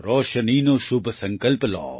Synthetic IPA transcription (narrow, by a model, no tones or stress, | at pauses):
ɾɔːʃɐniːnoʃʊbsɐŋkɐlplɔ̰ː